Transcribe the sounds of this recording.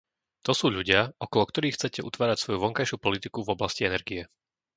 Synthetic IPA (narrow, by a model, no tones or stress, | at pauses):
t̪ɔsuːʎuɟɪaʔɔkɔlɔkt̪ɔɾiːxːt͡sɛcɛʔut̪ʋaːɾacsʋɔjuʋɔŋkajʃupɔlit̪ikuvɔblasciɛnɛɾɡijɛ